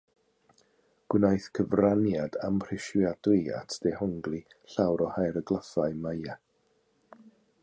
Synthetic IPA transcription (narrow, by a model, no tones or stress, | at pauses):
ɡ̥wɪnajθkʰəvranjadamʰr̥ɪʃjadwiɨa̰tʰd̥ɛhɔŋɡlˠi | ɬawɾɔhajɾəɡlˠəfaɨmaja